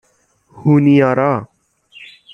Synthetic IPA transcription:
huːnijaɾa

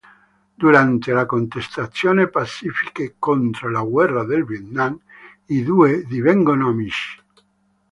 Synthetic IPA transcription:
d̪uɾant̪elakont̪est̪at̪sːjoːnepat͡ʃːifikekont̪ɾolaɣwɛrːad̪elviet̪naŋ | id̪ued̪ivɛŋɡonoamiʃi̥

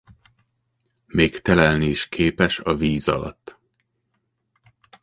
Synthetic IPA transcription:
meːkt̪ɛlɛlniːʃkʰeːpɛʃɒviːzɒ̰lɒ̰t̪ː

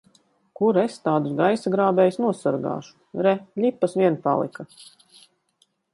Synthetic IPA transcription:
kuɾest̪aːd̪usɡajsaɡɾaːbɛːjsnuɔsaɾɡa̰ːʃu̥ɾɛlʲipːasʋʲiɛnpa̰lˠḭka

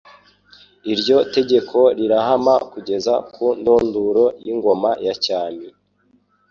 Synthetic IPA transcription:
iɾɟo̞te̞ɟe̞kʰo̞ɾiɾahamakuɟe̞zakundoːnduɾo̞jiŋɡo̞majacaːne

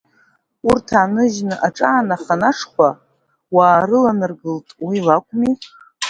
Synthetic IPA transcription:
urtʰanɨʒnɨʔaʈ͡ʂʼaːnaχanaʂʰχʷa | waːɾɨlanɨrɡɨltʼwilakʷʼmi

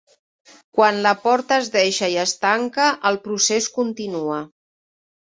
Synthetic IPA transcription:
kwanləpɔɾt̪əːzðɛʃəiəst̪aŋkəʔəlˠpɾuseskunt̪inuə

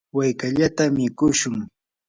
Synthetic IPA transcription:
wajkaʎat̪amɪkʊʃʊŋ

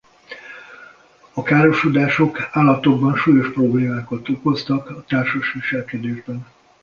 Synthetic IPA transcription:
ɒkaːɾo̞ʃod̪aːʃo̞kaːlːɒt̪o̞ɡbɒnʃuːjo̞ʃpro̞bleːmaːkot̪oko̞st̪ɒkɒt̪aːrʃoʃʋiʃɛlkɛd̪eːʒbɛn

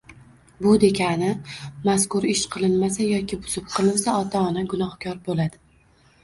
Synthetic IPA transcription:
bʊd̪e̞kʲʰanɪmaskʊɾɪʃqʰɨlˠɪnmasajɒkʲʰɪbʊz̥ɪp̚qʰɨlˠɪnsaɒt̪ʰaɒnaɡʊnɒhkʲʰɒɾbolad̪ɪ

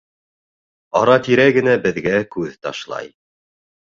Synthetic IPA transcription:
ɑɾɑt̪iɾæɡɘ̆næbɘ̆ðɡækʉðt̪ɑ̰ʃlˠɑ̰j

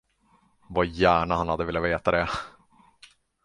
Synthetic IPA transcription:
vajæːɳahanhad̪ːəvɪːlːaveːt̪ad̪ɛ

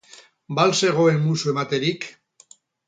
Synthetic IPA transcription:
balse̞ɣ̞o̞emmusue̞mat̪e̞ɾik

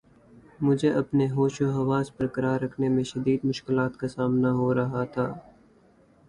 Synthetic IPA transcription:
mʊd͡ʒʱeʔɐpneɦoːʃoɦɐʋaːzpɐɾkɐɾaːɾːɐkʰnemẽʃɐd̪iːd̪mʊʃkɪlaːt̪kasaːmnaɦoɾɐɦat̪ʰaː

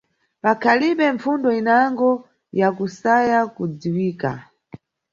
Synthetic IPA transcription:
pakʰaliɓɛɱfundɔinaŋɡɔ | jakusajakud͡ziwiːka̰

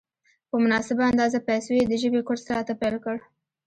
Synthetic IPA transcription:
pəmʊnɑsɪbaand̪ɑzapajsowed̪əʒəbekʊɾsɾat̪apajlkəɽ

